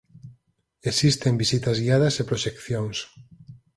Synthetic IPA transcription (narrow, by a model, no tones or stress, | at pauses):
esist̪embisit̪ɐzɣiaðɐsepɾoʃekθjoŋs